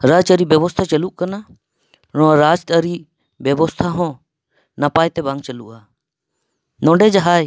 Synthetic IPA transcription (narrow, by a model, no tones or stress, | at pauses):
ɾat͡ʃəɾibɛbɔst̪ʰat͡ʃɐluʔkana | ɾɔ̃ɾad͡ʒt̪əɾi | bjɛbɔst̪ʰaɦɔ̃ | napajt̪ɛbãŋɡt͡ʃɐluʔa | nɔ̃ɖɛd͡ʒaɦaj